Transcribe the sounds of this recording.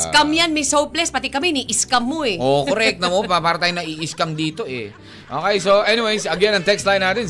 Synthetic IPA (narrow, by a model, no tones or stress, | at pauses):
skamjanmɐjsowplɛspɐt̪ɪkɐmɛniʔɪskɐmːoɛʔokoɾɛk̚t̪ɐmopapaːɾɐt̪aːjoŋnɐʔiʔɪskɐmd̪iːt̪o̞ʔɛ̰ | ʔoːkejsoʔɛnɪwejsɐɡɛnɐŋt̪ɛkst̪lajnaːt̪ɪn